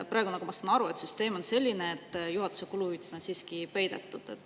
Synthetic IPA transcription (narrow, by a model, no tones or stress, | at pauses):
prɑˑeɡunɑkumɑsɑnɑɾue̞t̪syst̪e̞ːmo̞nse̞lʲːineːt̪ːˑjuɦɑt̪u̥se̞kuluyt̪snensiːskipe̞jd̪̥ḛt̪ːˑud̪̥et̪ːˑ